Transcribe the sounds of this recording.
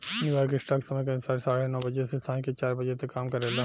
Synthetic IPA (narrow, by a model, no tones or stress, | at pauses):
njuːjɔːɾkesʈaːksɐməjk̬ɐmɪsaːɾesaːɽenɔːbɐd͡ʒesest̪ʰaːniket͡ʃaːɾbɐd͡ʒet̪ekːaːmkɐɾelaː